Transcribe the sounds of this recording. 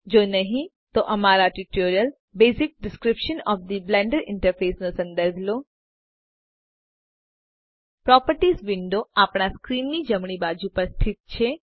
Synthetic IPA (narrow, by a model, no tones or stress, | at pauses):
d͡ʒonəɦĩ | t̪oʔəmaɾaʈiʈoɾijəl | besɪk̚ɖɪskɾɪpʃənɔfd̪iblɛ̃ɳɖəɾɪɳʈəɾfesnosə̃nd̪əɾbʱlo | pɾɔpəɾʈisʋɪɳɖoapɳ̃askɾinːid͡ʒəmɳibad͡ʒupəɾst̪ʰɪt̪̚t͡ʃʰe